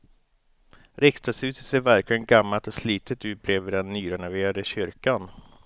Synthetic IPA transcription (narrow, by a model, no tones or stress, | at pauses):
ɾɛkst̪asʉ̟ːt̪ət̪seːɾvæɾklɪɡənɡamːalt̪ɔsliːt̪ʰət̪ʉ̟ːt̪̚bʰɾeːvɪɾɛnːyːɾɔnaveːɾad̪əɕʏɾkan